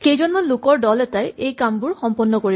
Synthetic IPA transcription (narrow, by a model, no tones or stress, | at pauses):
xejzɔnmanlʊkɔɹdɔlɛtajʔejkambʊɹxɔmpɔnːɔkoɹi